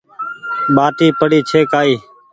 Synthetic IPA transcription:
ɓaːʈiːpəɽiːt͡ʃʰeːkaːiː

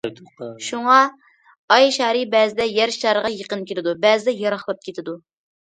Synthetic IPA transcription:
ʃuŋɑ | ɑjʃɑːɾɨbɛːzɪd̪ɛjɛɾʃɑɾəʁɑjəqənkʲʰelɪd̪ubɛzɪd̪ɛjɑɾɑχlˠɑp̚kʲʰet̪ʰɪd̪u

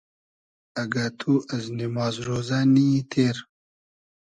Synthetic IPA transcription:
ɐɡat̪ʰuʔɐznimɑːzɾoːzanit̪ʰeːɾ

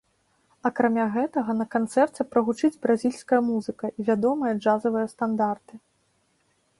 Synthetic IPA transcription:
ɐkɾamʲaɣɛt̪ɐɣɐnɐkant̪sɛrt͡sʲɛpɾɐɣut͡ʂɨd͡zʲbɾazʲilʲskɐjɐmuzɨkɐʔivʲad̪ɔmɨjɐd͡ʐazɐvɨjɐst̪and̪art̪ɨ

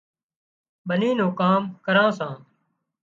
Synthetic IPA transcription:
ɓənĩːnõːkaːmkəɾãːsãː

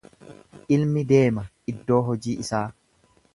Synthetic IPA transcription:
ʔɪlmɪd̪e̞ːmɐʔɪd̪ːo̞ːɦɔd͡ʒiːʔɪsaː

